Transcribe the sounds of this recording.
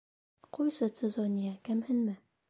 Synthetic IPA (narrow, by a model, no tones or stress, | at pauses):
qujsɤt̪sʲezonʲijakæmhɘ̆nmɘ